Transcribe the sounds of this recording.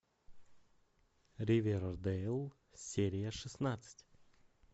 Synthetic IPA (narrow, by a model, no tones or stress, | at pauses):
ɾʲɪvʲeɾd̪ɛlˠ | sʲeɾʲɪjəʂɨsnat̪sɨ̥tʲ